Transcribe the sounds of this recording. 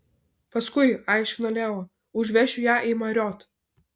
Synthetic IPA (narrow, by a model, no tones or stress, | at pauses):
pɐskʊɪɑˑɪʃʲkʲɪnoːlʲeːoː | ʊʒʲʋʲɛʃʲʊjæːʔimɐɾʲɔːt̪